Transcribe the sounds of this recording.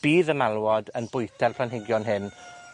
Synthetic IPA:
b̥iːðəmalˠwɔdənbʊjtʰɛrpʰlanɦɪɡjɔnɦɪn

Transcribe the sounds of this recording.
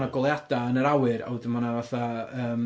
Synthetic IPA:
naɡɔlˠjad̥aənəɾawɨɾa̰wdəmanavaθaəːm

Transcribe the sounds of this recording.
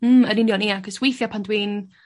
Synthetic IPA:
m̩ənɪnjɔniaɡɔswejθjɔpʰandwiːn

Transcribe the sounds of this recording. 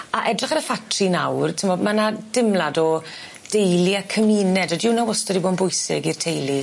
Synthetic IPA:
aʔɛdrɪχaɾəfatʰrinawrtʰəmɔdmanad̥ɪmlˠadɔ | d̥ejlˠiakʰəmiːnɛdɔdɪwnawɔstɔdiboːdnbʊɨsɪ̰ɡirtʰejlˠi

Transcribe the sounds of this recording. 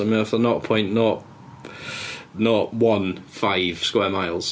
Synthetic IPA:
əm̃nəfðənɔʔpʰɔ̃ɪ̃nʔnəʔ | nəʔwʌ̃nfaɪv̥skwɛːmaɪlˠz̥

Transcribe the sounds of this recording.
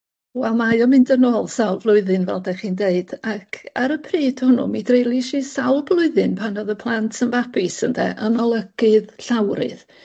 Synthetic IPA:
wɛlˠmajɔmɪndənoːlˠsawlˠvlˠʊɨðɨnvɛ̰lˠdɛχiːndeɨd̥akʰaɾəpʰriːdhʊnṵmidrejlˠiʃiːsawlˠblˠʊɨðɨnpʰanɔðəpʰlˠantʰənvapɪsəndɛ̰ʔənɔlˠəɡ̥ɨðɬawɾɨ̰ð̥

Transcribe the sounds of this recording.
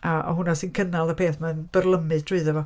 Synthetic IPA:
a̰ɦʊnasɨnkʰənalˠəpʰeːθmanb̥ərlˠəmɨðtʰrɨðɛvɔ

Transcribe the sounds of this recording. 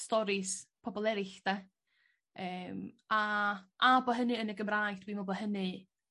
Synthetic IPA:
stɔɾɪspʰɔbɔlˠɛɾɪɬd̥ɛ | əːmaʔabɔɦənɨənəɡəmrajdwimɔbɔɦənɨ

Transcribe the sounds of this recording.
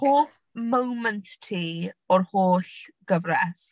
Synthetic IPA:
hoːθ | məwmənttʰːiːɔrhoːɬɡ̥əvrɛs

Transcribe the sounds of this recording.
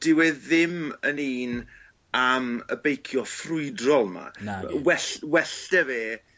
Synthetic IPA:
d̥ɪwɛðɪməniːn | amə̰bejkʰjɔfrʊɨdrɔlˠma̰wɛɬwɛɬtɛveː

